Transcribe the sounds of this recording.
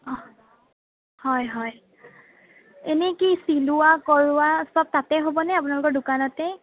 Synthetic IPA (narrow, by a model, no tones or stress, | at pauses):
hɔjɦɔj | enɛkisilʊwakɔɹʊwasɔb̚tatɛɦobɔnɛapʊnalʊkɔɹdʊkanɔtɛ